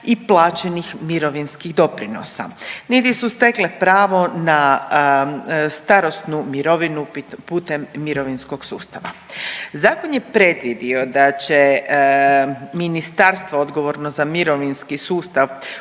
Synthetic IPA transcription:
iplˠaːt͡ɕenixmiɾo̞ʋinskiɣd̪o̞pɾino̰sa̰nit̪isust̪e̞klepɾaːʋo̞na | st̪aɾo̞st̪numiɾo̞ʋinupuːt̪emːiɾo̞ʋinsko̞ɡsṵːst̪aʋa̰ | zaːkonjepɾe̞d̪ʋid̪io̞d̪at͡ɕe | minist̪aɾst̪ʋood̪ɡo̞ʋo̞ɾnozamiɾo̞ʋinskisuːst̪aʋ

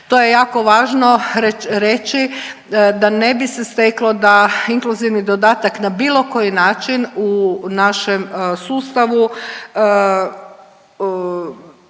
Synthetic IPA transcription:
t̪o̞je̞jaːko̞ʋaːʒno̞ɾɾe̞t͡ʃi | d̪ane̞bisest̪eklˠod̪aiŋkluziʋnid̪od̪aːt̪aknabiːlˠo̞ko̞jinaːt͡ʃinunaʃemsuːst̪aʋu

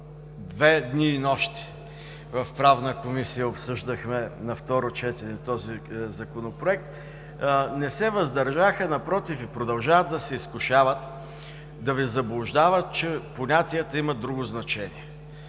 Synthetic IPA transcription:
d̪vɛd̪niːnɔʃt̪i̥ | vɐfpɾavnəkomisijəopsɤʒd̪əxmɛnɐft̪ɔɾot͡ʃɛt̪ɛnɛt̪ɔzizɐkonopɾoɛk̚t̪ | nɛsɛvɐzd̪ɐɾʒaxənɐpɾɔt̪ifipɾod̪ɐlˠʒaəd̪̚d̪ɐsɛiskʊʃavət̪ | d̪ɐvizɐblˠʊʒd̪avət̪̚t͡ʃɛponʲat̪iət̪əimɐd̪ɾuɡʊznɐt͡ʃɛniɛ

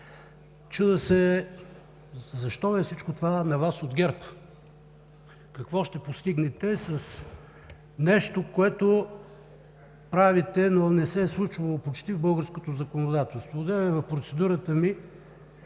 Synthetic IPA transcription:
t͡ʃud̪əsɛ | zɐʃt̪ɔɛfsit͡ʃkot̪ovanɐvasod̪ɡʲɛɾp | kɐkvɔʃt̪ɛpost̪iɡnɛt̪ɛsɐs | nɛʃt̪okoɛt̪o | pɾavit̪ɛnonɛsɛslˠut͡ʃvəlˠopot͡ʃt̪ivbɤlˠɡəɾskot̪ozɐkonod̪at̪ɛlˠst̪voːd̪ɛvɛvɐfpɾot̪sɛd̪uɾət̪əmi

